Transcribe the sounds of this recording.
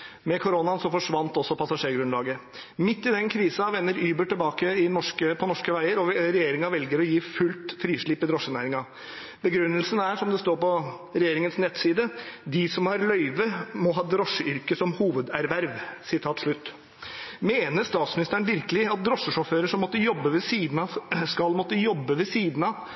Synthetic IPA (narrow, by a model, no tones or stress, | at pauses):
mɛkʰʊɾonɑnsɔfɔʂʋɑnt̪ɔsːɔpʰɑsɑʂeːɾɡɾʉnlɑːɡə | mɪt̪ːɪd̪ɛnkʰɾiːsɑʋɛnːəɾyːbəʈɪlbɑːkəɪnɔʂkəpʰɔnɔʂkəʋæɪəɾɔɾɛjeːɾɪŋɑʋɛlɡəɾɔjiːfʉlt̪fɾiːʂɭɪpːɪd̪ɾɔʂːənæ̰ːɾɪŋɑ | bəɡɾʉnːəlsənæʂɔmd̪ɛst̪oːɾpɔ | ɾɛjeːɾɪŋənsnɛt̪siːd̪əd̪ɪsɔmhɑɾlœʏʋəmɔɦɑːd̪ɾɔʂəʔʏɾkəsɔmhuːʋəd̪æɾʋæɾʋsɪt̪ʰɑːt̪ʂɭʉt̪ː | meːnəʂt̪ɑːt̪smɪnɪst̪əɳn̩ʋɪɾkəlɪɑt̪̚d̪ɾɔʂəʂɔføːɾəʂɔmːɔt̪ːəjɔbːəʋɛsiːd̪n̩ɑskɑlmɔt̪ːəjɔbːəʋɛsiːd̪n̩ɑ